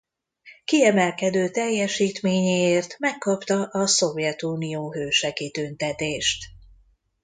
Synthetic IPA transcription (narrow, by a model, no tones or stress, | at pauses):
kiɛmɛlkɛd̪øːt̪ɛjːɛʃiːt̪meːɲeeːrt̪mɛkːɒpt̪ɒʔɒso̞vjɛt̪uːnijoːɦøːʃɛɡit̪ønt̪ɛt̪eːʃt̪